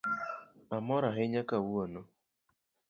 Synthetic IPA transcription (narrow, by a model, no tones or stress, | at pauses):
amɔɾaɦɪɲakawuonɔ